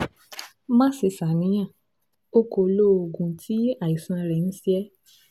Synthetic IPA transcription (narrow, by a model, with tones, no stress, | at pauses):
mã˦se˧˨sa˨nĩ˨˦j̃ã˦˨ | o˦ko˧˨lo˦o˨ɡũ˧tʰi˦a˦˨i˨sã˧ɾɛ˨ñ̩˦si˦ɛ˦